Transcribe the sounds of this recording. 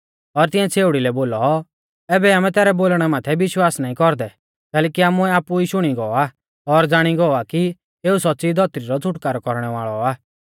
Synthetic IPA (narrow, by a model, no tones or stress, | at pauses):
ɔɾt̪ɪ̃jãt͡sʰeːʊɽilɛboːlɔ | ɛːbɛaːmɛ̃t̪ɛːɾɛboːlɽ̃ɛmaːt̪ʰɛbɪʃwaːsnaːĩkɔɾd̪ɛ | kɛːlɛːkiaːmuɛaːpuiːʃʊɽ̃iɡɔa | ɔɾd͡zaːɽ̃iɡɔaki | eːusɔtːsid̪ʱɔt̪ɾiɾɔd͡zʱʊʈkaːɾɔkɔɾɽ̃ɛʋa̰ːɭɔaː